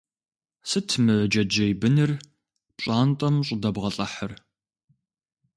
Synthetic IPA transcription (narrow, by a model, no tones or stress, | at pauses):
sɨtʰmɨd͡ʒɐd͡ʒɐjbɨnɨr | pɕʼaːntʼɐmɕʼʊdɐbʁɐɬʼɐħər